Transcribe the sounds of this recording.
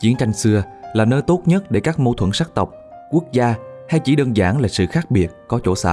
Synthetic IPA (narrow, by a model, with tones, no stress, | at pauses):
t͡ɕi˨˦ənt͡ɕa˧jŋ̟sɨ˧ə | laː˨˩nəː˧jt̪o˦˥t̚ɲə˦˥t̚ɗe˧˩kaː˦˥k̚mo˧t̪ʰwə˧˩nsaː˦˥k̚t̪ə˨˩wk͡p̚ | ku˦˥ək̚zaː˧ha˧jt͡ɕi˧˩ɗəː˧nzaː˧˩ŋlaː˨˩sɨ̰˧˨xaː˦˥k̚ɓi˨˩ət̚kɔ˨˦t͡ɕo˧˩sa̰ː˧˨